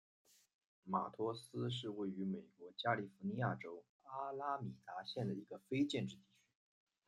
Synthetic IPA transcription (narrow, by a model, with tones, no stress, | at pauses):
ma̰˨˩t̪ʰɔ˥sɹ̩˥ʂ̬ɻ̩˥˧we˥˩ɪy˧˥me˨˩ɪkwɔ˧˥t͡ɕja˥li˥˩fu˧˥ni˧˥ja˥˩ʈ͡ʂo˥ʊ | a˥la˥mi˨˩t̪a˧˥ɕjɛ˥˩nd̪ə˩i˧˥ɡə˧fe˥ɪt͡ɕjɛ˥˧nʈ͡ʂɻ̩˥˧t̪i˥˩t͡ɕʰy̥˧˥